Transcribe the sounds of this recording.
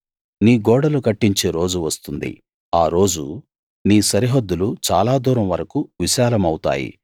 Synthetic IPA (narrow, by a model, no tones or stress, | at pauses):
niːɡɔːɽɐlukɐʈːiɲt͡ʃeːɾo̞ːd͡ʒuʋɐst̪und̪ḭ | aːɾo̞ːd͡ʒu | niːsɐɾiɦod̪ːulut͡ʃaːlaːd̪uːɾɐmʋɐɾɐkuʋiʃaːlɐmɐwut̪a̰ːjḭ